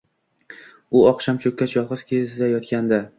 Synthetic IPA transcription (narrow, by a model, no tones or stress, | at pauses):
ʊɒqʃamt͡ʃʰɵkʲːat̪jɒlˠʁɨzkʲʰezd̪ajɒt̪kʲand̪a